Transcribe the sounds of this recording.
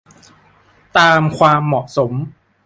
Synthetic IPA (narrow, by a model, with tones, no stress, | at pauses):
t̪aː˧mkʰwaː˧mːɔ˨˩ʔso˩˦m